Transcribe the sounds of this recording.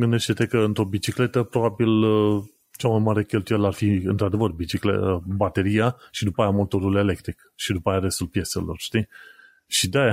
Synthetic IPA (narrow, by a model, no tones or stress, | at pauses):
ɡɨnd̪eʃt̪et̪ekəɨnt̪ɾo̞bit͡ʃikle̞t̪əpɾo̞babil | t͡ʃamajmaɾe̞kʲe̞lt̪ujelarfiɨnt̪ɾad̪e̞vərbit͡ʃiklebat̪e̞ɾijaʃid̪upajamo̞t̪o̞ɾule̞lek̚t̪ɾikʃid̪upaːjaɾe̞st̪ulpje̞se̞̰lo̞̰rʃt̪i | ʃid̪aa